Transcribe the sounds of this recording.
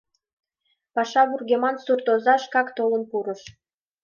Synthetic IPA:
pɑʃɑβurɡʲemɑnsurt̪ozɑʃkɑkt̪olə̆npuɾə̆ʃ

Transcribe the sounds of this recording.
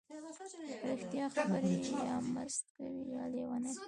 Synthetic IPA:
pɾɪxt̪jɑxabəɾejjɑmə̰zt̪kawijɑlewana

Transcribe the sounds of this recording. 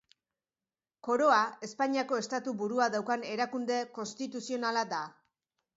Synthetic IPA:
ko̞ɾo̞ae̞spaɲiako̞e̞st̪at̪ubuɾuaðawkane̞ɾakund̪e̞ko̞nst̪it̪usio̞nalad̪a

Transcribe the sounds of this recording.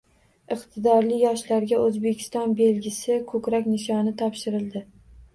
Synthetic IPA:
ɨqt̪ʰɪd̪ɒɾlɪjɒʃlaɾɡʲaɵzbekʲʰɪ̥st̪ɒnbe̞lɡʲɪsɪkʰɵkʲɾakʲnɪʃɒnɪt̪ʰɒpʃɪɾɪld̪ɪ

